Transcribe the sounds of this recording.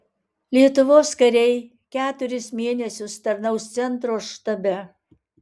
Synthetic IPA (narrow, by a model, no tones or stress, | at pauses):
lʲiɛt̪ʊʋoːskɐɾʲɛɪ | kʲæːt̪ʊɾʲɪsmʲeːnʲɛsʲʊst̪ɐɾnɐʊst̪sʲɛnt̪ɾoːʃt̪ɐbʲɛ